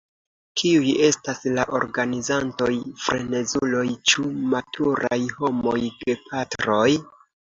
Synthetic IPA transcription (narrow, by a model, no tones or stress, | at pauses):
kiuje̞staslaʔo̞̰ɾɡanizanto̞jfɾene̞zulo̞jt͡ʃumatʰuɾa̰jho̞mo̞̰jde̞pʰatɾo̞j